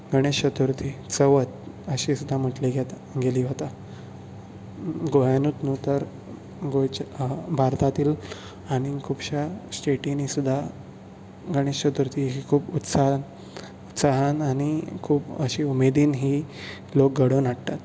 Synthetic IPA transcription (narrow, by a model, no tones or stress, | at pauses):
ɡəɽ̃esɕət̪uɾt̪ʰit͡səʋət̪̚əɕisud̪ʱːam̤əʈleɡat̪ | ɡeliːɦot̪a | ɡojanut̪nut̪əɾ | ɡojt͡ɕbʱaɾt̪at̪iːl | anikʰuːbɕasʈeʈinisud̪ʱːa | ɡəɽ̃esɕət̪uɾt̪ʰiɦikʰuːbut̪saɦn | ut̪saɦanañikʰuːbəɕiːumed̪iːnɦiː | lok̚ɡəɽəːnaɽt̪at̪